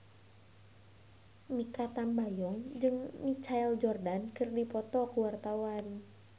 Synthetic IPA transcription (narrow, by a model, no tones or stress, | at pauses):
mikat̪ambajɔŋd͡ʒɨŋmit͡ʃaɛld͡ʒɔrdankɨrdipɔt̪ɔkuwart̪awan